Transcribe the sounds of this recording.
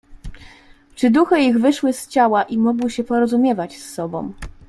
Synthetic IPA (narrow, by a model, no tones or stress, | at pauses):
t͡ʂɘd̪uxɘiɣvɘʂwɘst͡ɕawaʔimɔɡwɘɕɛpɔɾɔzumʲjɛvat͡ɕsːɔbɔ̰̃w̃